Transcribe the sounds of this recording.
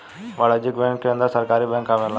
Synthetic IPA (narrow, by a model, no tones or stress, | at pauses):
ʋɐɭɐd͡ʒɯkːbeːŋkːɯɾɯnd̪aːsɐɾkaːɾibeːŋkaːʋeːla